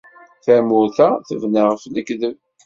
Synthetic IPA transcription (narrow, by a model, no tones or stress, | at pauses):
θæmʊɾθæθəvnəʁfnəkðəv